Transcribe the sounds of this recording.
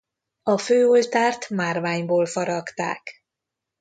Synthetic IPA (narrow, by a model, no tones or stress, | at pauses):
ɒføːolt̪aːrt̪maːrvaːɲboːlfɒɾɒkt̪a̰ːk